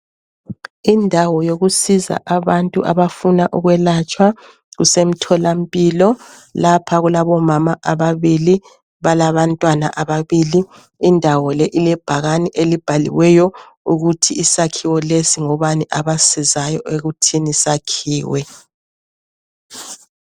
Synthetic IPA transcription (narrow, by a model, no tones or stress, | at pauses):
indʱawɔjoɣusiza̰ʔaβantʼuʔaβafunaʔuɣwɛlat͡ʃʼwa | ɣṵsem̩tʰɔlampʼilɔ | lapʰaɣulaβɔmamaʔaβaβili | βalaβantʼwana̰ʔaβaβiliː | ndʱawɔlɛʔilɛb̥ʱaɣaniʔelib̥ʱalḭwɛjɔ | uɣutʰiːsakʰiwɔlesiŋɔβaniʔaβasizajɔʔeɣutʰinisakʰiːwɛ